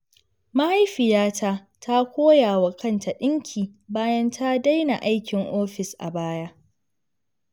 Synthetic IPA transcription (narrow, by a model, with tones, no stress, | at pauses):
ma˦ha˦jɸɪ˨jaː˦tʰa˦ | tʰa˦kʷoː˦jaː˨wa˨kʰɐ˦nta˨ɗɪ˦ŋkʲʰiː˨baː˦jɐ˦ntʰa˦da˦jna˨ʔa˦jkʲɪ˨ŋʔoː˦ɸɪ˨sʔa̰˨baː˦ja˦ʔ